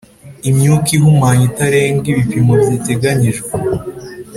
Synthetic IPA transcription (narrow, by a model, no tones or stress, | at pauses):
imɲukiɦumaːɲitaɾe̞ːŋɡiβipimobjite̞ɡaɲiʒɡwe